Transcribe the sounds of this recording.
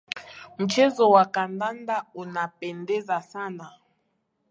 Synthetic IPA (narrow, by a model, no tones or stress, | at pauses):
m̩t͡ʃɛzɔwakandandaunapɛndɛzasana